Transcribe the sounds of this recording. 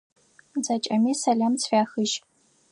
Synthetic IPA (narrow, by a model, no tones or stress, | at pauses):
zɐt͡ʃʼɐmiːsɐɮɐmt͡sʰfʲʷaːxɨʒ